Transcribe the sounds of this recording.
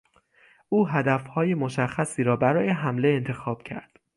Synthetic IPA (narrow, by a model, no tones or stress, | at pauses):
ʔuːɦæd̪æfhɒːjemo̞ʃæxːæsiːɾɒːbæɾɒːje̞ɦæmle̞ent̪ʰe̞xɒːb̥̚cʰæ̰ɾd̪̥